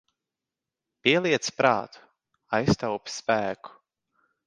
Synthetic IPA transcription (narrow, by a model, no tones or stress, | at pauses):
pʲiɛlˠiɛt̪spɾʔa̰ːt̪ʰu̥ | ajst̪awpʲspæːku̥